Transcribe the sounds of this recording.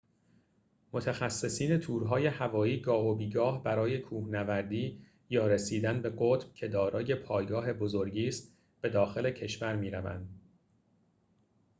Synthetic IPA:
mot̪ʰæxæsːe̞siːne̞t̪ʰuːɾɦɒːje̞hævɒːiːɡɒːɦobiːɡɒːhbæɾɒːje̞kʰuːhnævæɾd̪iː | jɒːɾesiːd̪ænbe̞ɢot̪b̥cʰe̞d̪ɒːɾɒːje̞pʰɒːjɡɒːɦe̞bo̞zo̞ɾɟiːst̪ | b̥e̞d̪ɒːxe̞le̞cʰe̞ʃvæɾmiːɾævæ̰nd̪̥

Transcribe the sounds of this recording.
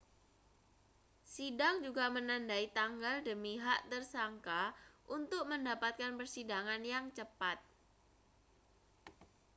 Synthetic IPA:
sidaŋd͡ʒuɡamənandait̪aŋɡaldəmiɦaʔt̪ərsaŋkaʔunt̪ʊk̚məndapat̪̚kanpərsidaŋanjaŋt͡ʃəpat̪̚

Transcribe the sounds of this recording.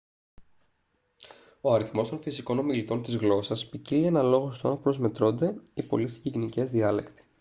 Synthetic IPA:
oɐɾiθmo̞st̪o̞nfisiko̞no̞milit̪o̞nt̪izɣlo̞sɐspicilie̞nɐlo̞ɣo̞st̪oɐnpɾo̞zme̞t̪ɾo̞nd̪e̞ipo̞̰lisiʝiɣinice̞zðiɐle̞̰kt̪i̥

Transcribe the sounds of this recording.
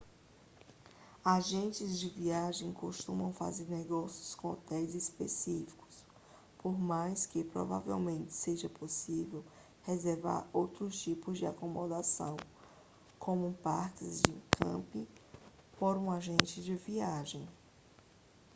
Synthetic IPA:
aʒẽnt͡ʃɪzd͡ʒɪviaʒẽj̃koʃt̪ũmɐ̃w̃fa̰zeɾnɛɡɔsjʊskõɔt̪ɛjzespḛsifi̥kʊ̥s | poɾmajskɪpɾɔ̰va̰vɛ̰wmẽnt̪ɪ̥seʒɐposivɛw | hezeɾva̰ɾowt̪ɾʊst͡ʃipʊzd͡ʒɪa̰komod̪asɐ̰̃w̃ | kʰõmʊpaɾkɪzd͡ʒɪkʰɐ̰̃pĩ | poɾũaʒẽnt͡ʃɪd͡ʒɪviaʒẽj̃

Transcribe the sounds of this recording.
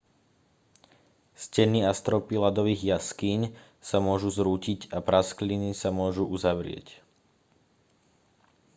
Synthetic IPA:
scɛniast̪ɾɔpilad̪ɔʋiːɣjaskiɲ | samʊɔʒuzɾuːcicapɾasklinisamʊɔʒuʔuzaʋɾɪɛ̰c

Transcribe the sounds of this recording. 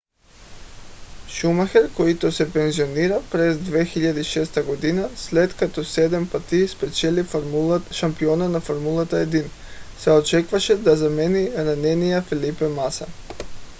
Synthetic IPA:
ʃumaxɛɾkoit̪osɛpɛnzioniɾapɾɛzd̪vɛxiʎad̪iiʃɛst̪aɡod̪inaslɛt̪kat̪osɛd̪ɛmpat̪ispɾɛt͡ʃɛliʃampionanafoɾmulˠat̪aɛd̪in | sɛot͡ʃɛkvaʃɛd̪azamɛniɾanɛnijafɛlipɛmasa

